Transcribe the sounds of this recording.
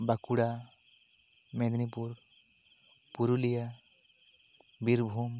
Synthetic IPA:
bakuɽa | mɛd̪nipuɾ | puɾulija | biɾbʱum

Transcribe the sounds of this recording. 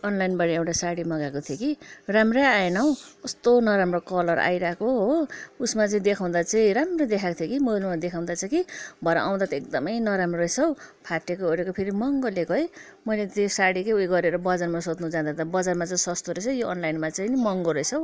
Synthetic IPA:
ʌnlajnbaɽiewʈasaɽimʌɡakot̪ʰjokiramreaenʌw̃ust̪onʌɾamrokʌlʌrʔa̰jɾakoɦousmat͡saĩd̪ekʰaw̃d̪at͡saĩɾamred̪ekʰakot̪ʰjokimoulmad̪ekʰaw̃d̪at͡sʌkibʱʌɾa̰ʔaw̃d̪at̪ʌekd̪ʌmʌjnʌɾamrojsʰʌwpʰaʈekooɾekopʰeɾimʌŋɡolekʌj | mʌjletosaɽikʌjueɡʌɾeɾʌbʌd͡zarmasot̪nud͡zãd̪at̪ʌbʌd͡zarmat͡saĩswʌst̪oɾʌsʰʌ̃joʌnlajnmat͡sainimʌŋɡoɾʌjt͡sʰʌw

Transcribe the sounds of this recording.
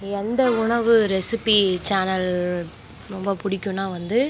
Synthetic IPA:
ɛnd̪ɐʊɳɐʋɯɾɛsɪpːit͡ʃaːnɐl | ɾɔmbɐpʊɽɪkʲːɯnaːʋɐnd̪ɯ

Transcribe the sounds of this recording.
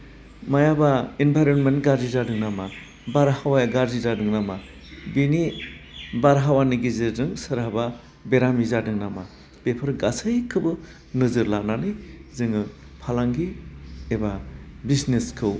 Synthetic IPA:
majabainbʱajɾonmentɡaɾzizadɯŋnama | baɾhawajɡaɾzizadɯŋnama | bini | baɾɦawaniɡizɯdɯŋsɯɾaba | beɾamizadɯŋnama | b̥epʰɯɾɡasajkʰɯbɯ | nɯzɯɾlananɯjzɯŋɯ | pʰalaŋɡiebabisneskʰɯw

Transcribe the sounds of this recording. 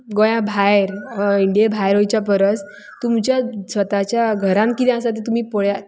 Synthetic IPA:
ɡojãbʱajɾiɳɖijebʱajɾojt͡ɕapəɾət͡s | t̪um̤t͡ɕjasʋət̪at͡ɕjaɡʱəɾãnkit̪ɛ̃asat̪̬et̪̬umiːpoɭja

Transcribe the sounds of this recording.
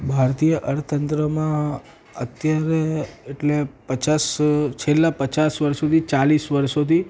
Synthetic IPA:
bʱaɾt̪ijəʔəɾt̪ənt̪ɾəmã | ət̪jaɾeeʈlepət͡ʃast͡ʃʰelːapət͡ʃasʋəɾʃot̪ʰit͡ʃalisʋəɾʃot̪ʰi

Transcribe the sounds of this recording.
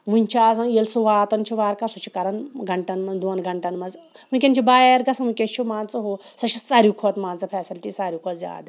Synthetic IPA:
munʲt͡ʃʰiaːsɐnjelsuʋaːt̪ɐnt͡ʃʰiʋaːɾkɐsut͡ʃʰi̥kɐɾɐnɡɐɳʈɐnmɐnd̪ɐnɡɐɳʈɐnmɐz | mukʲenʲt͡ʃʰibaːjɐɾɡɐsɐmunʲkʲent͡ʃʰumaːnt͡sɨɦosɐt͡ʃʰisɐɾʲjukʰot̪maːnt͡sɐpʰʲɛːsilʈisɐɾjukʰot̪zʲa̰ːd̪

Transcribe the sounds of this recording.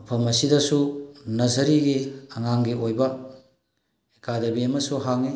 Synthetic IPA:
pʰɐmɐsidɐsunɐzɐɾiɡiɐŋaŋɡiʔojbɐ | ekʰadɐbiɐmɐsuɦaŋi

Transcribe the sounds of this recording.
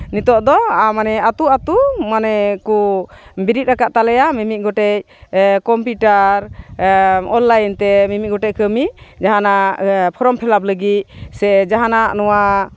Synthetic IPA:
nit̪ɔʔd̪ɔamanɛat̪uat̪umanɛkubiɾit̪̚ɾakaʔt̪alɛjamimiˀɡɔʈɛc̚ | kɔmpjuʈaɾ | ɔnːajnt̪ɛmimit̚ɡɔʈɛc̚kʰəmid͡ʒaɦanapʰɔɾɔmpʰɛlabləɡit̪̚sɛd͡ʒaɦanaʔnɔwa

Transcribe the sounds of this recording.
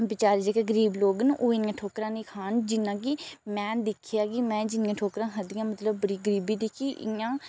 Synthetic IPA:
ʋɪt͡ʃaːɾed͡ʒeːkeːɡəɾiːbloːɡnʔoːɪnɪjãːʈʰoːkɾãːnĩːkʰaːnd͡ʒɪnãːkɪmɛ̃ːnd̪ɪkʰːjaːkɪmɛ̃ːd͡ʒɪnɪjãːʈʰoːkɾãːɦəd̪ɪjãːmət̪ləbːəɽiːɡəɾiːbiːd̪ɪkʰiːʔɪ̰jãː

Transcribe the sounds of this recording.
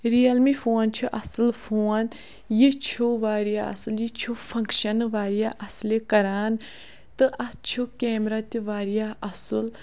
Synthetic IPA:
ɾijalmifʰoːnt͡ʃʰuʔɐsɨlfʰoːn | jit͡ʃʰoʋaːɾijaɐ̰sɨljit͡ʃʰofʰɐŋkʃɐnʋaːɾijaʔɐslekɐɾaːn | t̪ɨʔɐt͡ʃʰukeːmɾat̪iʋaːɾijaɐsɨl

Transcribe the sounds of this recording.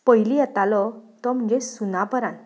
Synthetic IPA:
pəjlijɛt̪alɔt̪ɔm̤əɳd͡ʑesunapəɾãn

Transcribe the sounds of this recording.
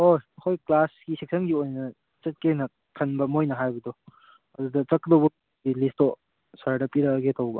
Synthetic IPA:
ojɐkʰojklasɡisik̚sɐnɡiojnɐ | t͡ʃɐt̚kenɐ | kʰɐnbɐmojnɐɦajbɐdɔ | ɐdudɐt͡ʃɐkdɔbɐ | ilistɔ | saɾdɐpiɾɐkːɡetʰowbɐ̰

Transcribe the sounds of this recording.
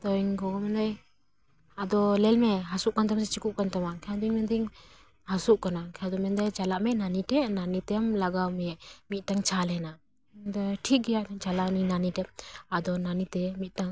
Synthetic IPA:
t̪ɔiŋɡɔɡɔmɛnd̪aj | ad̪ɔlɛlmɛɦasuʔkant̪ɛmsɛt͡ʃikuʔkant̪ɛmakʰɛd̪iŋmɛnd̪iŋ | hasuʔkanakʰɛd̪ɔmɛnd̪ajt͡ʃalaʔmɛnanit̪ɛnanit̪ɛmlaɡawmɛʔmit̪̚t̪aŋt͡ʃalɛna | d̪ɔʈʰik̚ɡɛjaʔd̪ɔŋt͡ʃalaninanitɛp̚ad̪ɔnanit̪ɛmit̪̚ˀt̪aŋ

